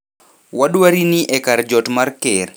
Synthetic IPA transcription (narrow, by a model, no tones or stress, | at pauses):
waɗwaɾiniʔɛkaɾd͡ʒɔtmarkɪr